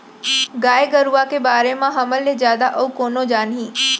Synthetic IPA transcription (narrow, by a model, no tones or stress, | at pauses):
ɡaːeɡəɾuakebaːɾemãɦɐməlːezjaːd̪aʔəukoːnod͡ʒaːnɦĩː